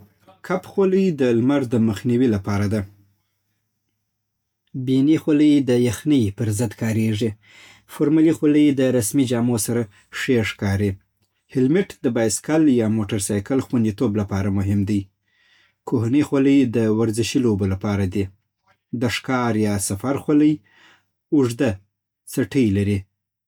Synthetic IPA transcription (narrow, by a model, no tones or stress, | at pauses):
kʰapxoləjd̪əlmaɾd̪əməxniwilapɑɾad̪a | binixoləjd̪əjaxnəjpəɾzəd̪kɑɾeʐi | foɾmalixwoləjd̪əɾasmid͡ʒɑmosaɾa | ʂeʂkɑɾi | hɪlmɪʈd̪əbɑjskaljɑmoʈaɾsɑjkəlxwand̪it̪oblapɑɾamʊɦɪmd̪əj | kʰohnixwaləjd̪əwaɾzɪʃilobolapɑɾad̪i | d̪əʂkɑɾjɑsafaɾxwaləj | ʊʐd̪a | saʈəjlaɾi